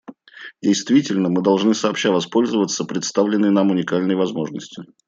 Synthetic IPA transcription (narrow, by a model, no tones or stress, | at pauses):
dʲɪjst̪vʲitʲɪlʲnəmɨd̪ɐlˠʐnɨsəːpɕavɐspo̞lʲzəvət̪səpɾʲɪt̪st̪avlʲɪnːəjnamʊnʲɪkalʲnəjvɐzmo̞ʐnəsʲtʲɪ